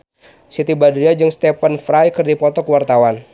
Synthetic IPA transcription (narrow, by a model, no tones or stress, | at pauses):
sit̪ibadɾiad͡ʒɨŋst̪ɛpənfɾajkɨrdipɔt̪ɔkəwart̪awan